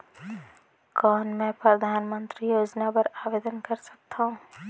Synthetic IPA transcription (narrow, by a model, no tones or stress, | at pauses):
kɔːnmɛ̃ːpɾɐd̪ʱaːnmə̃nt̪ɾijoːd͡ʒnapɐɾaːʋeːd̪ənkɐɾsɐ̥k̚t̪aɦũː